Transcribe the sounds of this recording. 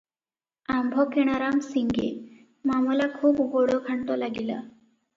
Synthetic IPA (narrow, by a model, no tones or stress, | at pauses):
ambʱɔkeɽ̃aɾamsiŋɡḛ | mamɔlakʰuːpɡoɽɔkʰaɳʈɔlaɡila̰